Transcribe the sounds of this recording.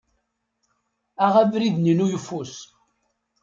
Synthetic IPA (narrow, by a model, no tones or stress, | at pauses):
æʁævɾiðninujəfːus